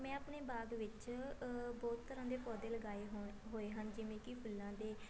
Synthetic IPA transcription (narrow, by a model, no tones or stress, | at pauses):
mɛ̃ːəpneːbaːɡʋɪt͡ʃ | bɔːt̪ːəɾãːd̪eːpɔːd̪eːləɡaːeːɦoːeːɦənd͡ʒɪʋẽːkɪpʰʊlːãːd̪eː